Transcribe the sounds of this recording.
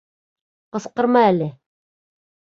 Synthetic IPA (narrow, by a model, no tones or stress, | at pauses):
qɤ̆sqɤ̆ɾmɑælɘ